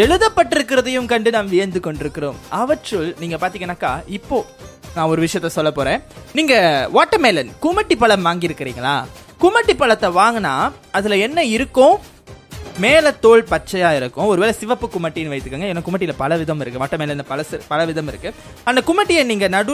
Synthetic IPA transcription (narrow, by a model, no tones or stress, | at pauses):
ɛɻɯðɐpːɐʈːɪɾɯkːɪɾɐðɐjɯmkɐɳɖɯnaːmʋɪjɐnd̪ɯkɔɳɖɪɾɯkːɪɾoːmɐʋɐʈrɯlniːŋɡɐpaːɾt̪iːŋɡɐnːaːkaːɪpːoːnãːɔɾɯʋɪʂɐjɐt̪ːɐsɔlːɐpoːɾẽːniːŋɡɐʋaːʈːɐmeːlɐnkʊmɐʈːipːɐɭɐmʋaːŋɡɪɪɾɯkːɪɾiːŋɡɐɭa̰ːkʊmɐʈːipːɐɭɐt̪ːɐʋaːŋɡɐnːaːɐðɪlɐɛnːɐɪɾɯkːõː | meːlɐt̪ːoːɭpɐt͡ʃːɐjaːɪɾɯkːʊ̃ɔɾɯʋeːlɐsɪʋɐpːɯkʊmɐʈːɪjnʋɐɪt̪ːɯkːaːŋɡɐɛːnːaːkʊmɐʈ̬ːɪjɪlɐpɐlɐʋɪðɐmɪɾɯkːɯʋaːʈːɐmeːlɐnpɐlɐspɐlɐʋɪðɐmɪɾɯkːɯ | ɐnd̪ɐkʊmɐʈːɪjɐniːŋɡɐnɐɽɯ